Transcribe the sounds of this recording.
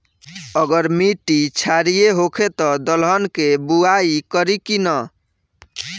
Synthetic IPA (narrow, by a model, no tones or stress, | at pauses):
əɡəɾmiʈːit͡ʃʰaɾijeɦokʰet̪ɔd̪əlɦənkebuaikəɾikinə